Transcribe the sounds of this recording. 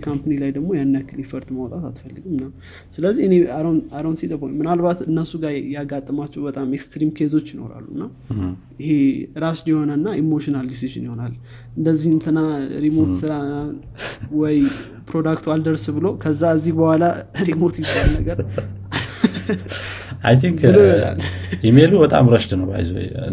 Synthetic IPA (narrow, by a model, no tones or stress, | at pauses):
kʰampanilajd̪əɡmo̞janːəkʰːɨlifəɾt̪mawt̪ʼat̪at̪fəlːɨɡumnam | sɨləzːiɨneaaɾownsit̪əboɲmɨnalbat̪ɨnːəsuɡajaɡat̪ʼːəmat͡ʃːɛwbət̪ʼamekst̪ɾimkʰes̬o̞t͡ʃːjɪno̞̰ɾa̰lːuɨnːa | jɪhe̞ɾasljɛho̞nənːaʔemo̞ʃɪnald̪isiʒɨ̰njho̞nal | ɨnd̪əzːihɨnt̪ʰɨnaɾimo̞t̪sɨɾa | wɔj | pɾo̞d̪akt̪ʰuald̪əɾsbɨlo̞kʰəzːaəzːihbəhwʷalaɾimo̞t̪jɪbalnəɡəɾ | ajt̪ʰiŋk | jɛmelubət̪ʼa̰mɾəʃt̪nəwba̰jzo̰j